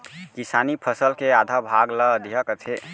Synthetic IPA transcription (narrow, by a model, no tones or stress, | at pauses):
kisanipʰəsəlkead̪ʱabʱaɡləd̪iɦəkət̪ʰe